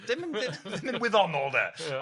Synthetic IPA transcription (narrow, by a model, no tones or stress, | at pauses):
d̥ɪmɪ̃ndɪɪmɪ̃nwɪðɔnɔːlˠðɛ̰